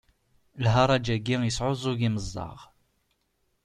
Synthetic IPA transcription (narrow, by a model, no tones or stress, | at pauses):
lɦɑɾˤɑd͡ʒæɡːijəsʕozˤoʝiməzˤːɑ̰ʁ